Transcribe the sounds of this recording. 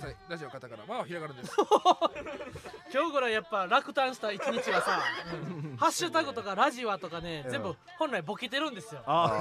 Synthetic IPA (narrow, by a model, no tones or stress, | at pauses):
aɾaʑiokat̪akaɾa̰maaçiɾaɡaɾɯ̃nd̪esso | kʲo̞ːɡoɾajapːaɾakɯ̟̥t̪ãɰ̃ɕi̥t̪ait͡ɕiɲ̟it͡ɕiɡasaɯ̟̃ɴhaɕːɨt̪aɡɯ̟t̪o̞kaɾaʑioat̪o̞kane̞zẽ̞mbɯ̟ | hõñɾaibo̞kʲet̪e̞ɾɯ̟̃nd̪e̞sɨjo̞a